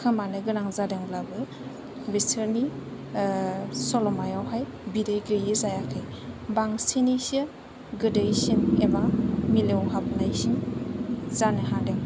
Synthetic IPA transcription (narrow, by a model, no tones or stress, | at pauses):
kʰɯmanɯɡɯnaŋzadeŋblabɯ | bisʰɯɾni | sɔlɔmajawɦajbidejɡɯjɯzajakʰɯj | baŋsinisɯ | ɡɯdɯjsinebamilewɦap̚najsim | z̥anɯɦadeŋ